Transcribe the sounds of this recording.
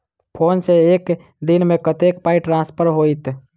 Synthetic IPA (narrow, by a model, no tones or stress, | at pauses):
pʰoːnseeːk | d̪ɪnmẽkət̪eːkpaːiʈɾãːspʰəɾɦoːit̪